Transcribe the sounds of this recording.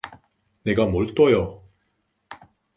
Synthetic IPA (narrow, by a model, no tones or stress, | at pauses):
neɡamoɭt̪͈ojo